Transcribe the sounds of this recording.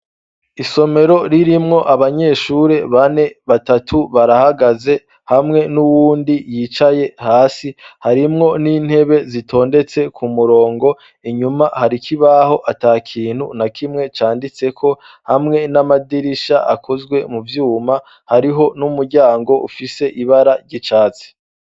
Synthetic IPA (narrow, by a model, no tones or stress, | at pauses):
iso̞me̞ɾo̞ɾiɾimŋo̞ʔaβaɲe̞ʃuɾe̞βane̞βatatʰuβaɾahaɡaze̞ | hamŋe̞nuwuːndijiːt͡ʃaje̞haːsihaɾimŋo̞niːn̥he̞βe̞zitʰo̞ːnde̞t͡se̞kʰumuɾo̞ːŋɡo̞ | iɲumahaɾikʰiβaho̞ʔataːkʰiːn̥hunakʰimŋe̞t͡ʃaːndit͡se̞kʰo̞ | hamŋe̞namadiɾiʃaʔakʰozɡwe̞muvjuːma | haɾiɦo̞numuɾɟaːŋɡo̞ʔufise̞ʔiβaɾaɾɟit͡ʃaːt͡se̥